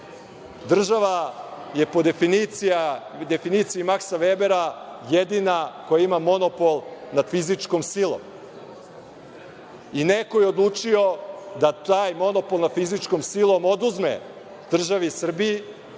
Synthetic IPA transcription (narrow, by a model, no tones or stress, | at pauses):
d̪r̩ʒaʋaje̞po̞d̪efinit̪sijad̪e̞finit̪siimaksaʋebeɾajed̪inako̞jaimamo̞nopolˠnad̪̥fizit͡ʂkomsilˠo̰m | ineko̞jeod̪lˠut͡ʂio̞d̪at̪aːjmo̞no̞polˠnad̪fizit͡ʂkomsilˠo̞mo̞d̪uzmḛ | d̪̥r̩ʒaʋisr̩biji